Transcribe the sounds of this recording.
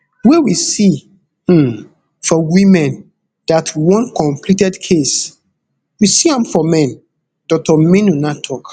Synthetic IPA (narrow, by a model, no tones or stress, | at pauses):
wɛwisi | fɔwĩmɛ̃n | datʰwɔ̃nkɔ̃mplitɛdkʰes | wisiãmfɔmɛ̃n | d̥ɔk̚tɔminunatʰɔk